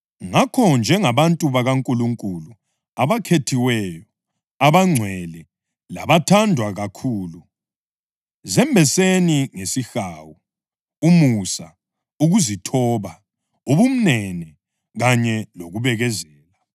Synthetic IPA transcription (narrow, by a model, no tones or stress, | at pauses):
ŋakʰɔnd͡ʒʱɛŋaβantʼuβaɣaŋkʼuluŋkʼulu | aβakʰetʰiwɛjɔ | aβaŋ͡ǀʱwɛlɛ | la̰βatʰandʱwaɣakʰuːlu | zɛmbʱɛseniŋesixawu | umusa | uɣuzitʰɔːβa | oβum̩nɛnɛ | ɣaɲɛloɣuβɛɣɛzɛːla